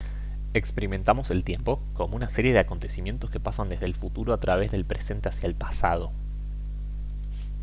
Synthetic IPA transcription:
ekspe̞ɾiment̪amo̞se̞lt̪je̞mpoko̞mounaseɾje̞ð̞eako̞nt̪e̞simje̞nt̪o̞ske̞pasand̪e̞zðelfut̪uɾoat̪ɾaβ̞e̞zðe̞lpɾʔe̞se̞nt̪e̞asjaelpasað̞o̞

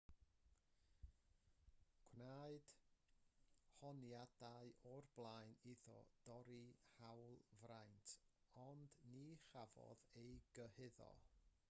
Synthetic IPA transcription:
kʰwnaɨd̥ | hɔnjadaɨʔɔrblˠajniðɔ̰d̥ɔɾihawlˠvrajntʰ | ɔndniχavɔ̰ðejɡəhɪðɔ̰

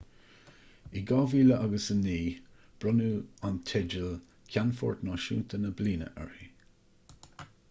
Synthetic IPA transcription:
iɡɑːviːləʔaɡəsəniː | b̥ɹɔnuːant̪ʰɛd͡ʒəl | kʲʰanfɔ̰ːɹt̪nɑːʃṵːnt̪ʰənəbliːnə̰ʔɛ̰ɹi

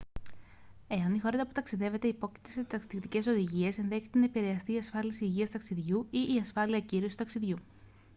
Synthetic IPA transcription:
e̞ɐnixo̞ɾɐt̪ɐput̪ɐksiðe̞ve̞t̪eipo̞ci̥t̪eset̪ɐksiðikt̪ice̞so̞ðiʝie̞se̞nðe̞çet̪e̞nɐepiɾe̞ɐst̪iːɐsfɐlisiːʝiɐst̪ɐksiðʝuiʔːɐsfɐliɐciɾio̞sit̪ɐksiðʝu

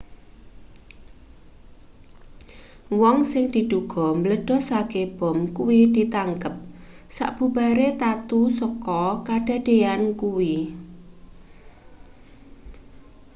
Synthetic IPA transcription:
wɔŋsɪŋd̪̥i̤d̪̥uɡ̥ɔ̤mləɖ̥ɔ̤saɡ̥eb̥ɔ̤mkuwid̪̥i̤t̪aŋkəp̚ | sa̰ʔb̥ṳb̥a̤ɾet̪at̪usəkɔkaɖ̥a̤ɖ̥ejankuwi

